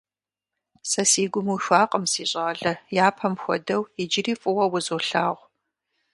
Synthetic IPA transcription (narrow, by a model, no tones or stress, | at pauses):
sɐsiːɡʷʊmuʃʷaːqʼəmsiːɕʼɐʁɐɮɐjaːpʰɐmxʷɔ̰dɐwid͡ʒɪriːfʼʊwɐwʊzoːɬaːʁʷ